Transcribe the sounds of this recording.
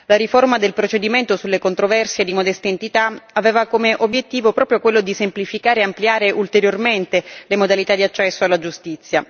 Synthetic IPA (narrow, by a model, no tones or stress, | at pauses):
laɾiformad̪elpɾot͡ʃed̪iment̪osulːekont̪ɾovɛrsjed̪imod̪ɛst̪eːnt̪it̪aaveːvakomeʔobjet̪ːiːvopɾɔːpɾjokwelːod̪isemplifikaːɾeːampljaːɾeʔult̪eɾjorment̪elemod̪alit̪ad̪iat͡ʃːɛsːoalːad͡ʒust̪it̪sːja